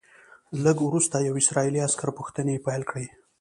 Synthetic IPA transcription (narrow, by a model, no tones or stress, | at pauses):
ləɡwɾust̪ajawɪsɾɑiliaskaɾpuxt̪ənepajlkɽe